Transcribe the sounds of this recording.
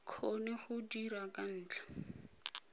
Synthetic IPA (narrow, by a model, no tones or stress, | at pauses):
kʰonɛχʊdiɾakʼan̩ːt͡ɬḁ